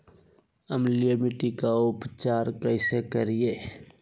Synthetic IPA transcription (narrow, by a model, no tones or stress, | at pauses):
əmlijəmɪʈikaʊpt͡ʃaːɾkəɪsekəɾijeː